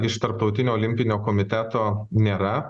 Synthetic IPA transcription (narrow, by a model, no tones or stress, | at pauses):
ɪʃt̪ɐɾp̚t̪ɒʊt̪ʲɪnʲoːɔːlʲɪmʲpʲɪnʲoːkɔːmʲɪt̪ʲæt̪oːnʲeːɾɐ